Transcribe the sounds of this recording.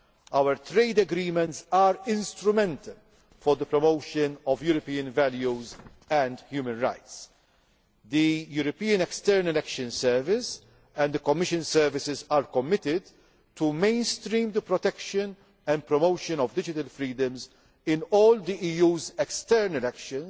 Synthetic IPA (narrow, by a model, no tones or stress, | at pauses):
ɐwəɾt̪ɾeɪd̪ɛɡɾiːmɛ̃ntsaːɾɪ̃nst̪ɾʊmɛ̃nt̪ʰɐl | fɔɾd̪əpɾɔmoʊʃənɔvjuːɾɔpiːə̃nvɛljuz | ɛ̃nd̪hjuːmə̃nɾa̰ɪt̪s | d̪ijuːɾɔpiːə̃nɛkst̪ɛɾnɐlɛkʃə̃nsɛɾvɪs | ɛ̃nd̪əkɔmːɪʃə̃nsɛɾvɪsɪzaːɾkɔmːɪt̪ɪd̪ | t̪ːumẽɪnst̪ɾĩːmd̪əpɾɔt̪ɛkʃən | ɛ̃nd̪̚pɾɔmoʊʃə̃nɔvd̪ɪd͡ʒɪt̪ɐlfɾiːd̪ə̃mz | ɪ̃nɔːld̪iʔiːjuːzɛkst̪ɛɾnɛlɛkʃə̃n